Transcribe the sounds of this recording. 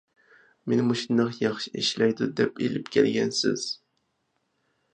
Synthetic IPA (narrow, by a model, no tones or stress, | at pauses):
menɪmoʃind̪ɑqjɑχʃiḭʃlæjd̪ud̪ɛpḛlɪpkʲʰɛlɡʲɛnsɪ̰z̥